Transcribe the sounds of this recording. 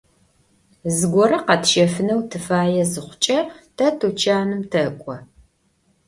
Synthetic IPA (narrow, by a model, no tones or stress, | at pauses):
zɨɡʷɔɾɐqɐtʃɐfɨnɐwtʰɨfaːjɛzɨχʷʊt͡ʃʼɐtʰɐtʰut͡ʃʰaːnɨmtʰɐkʷʼɔ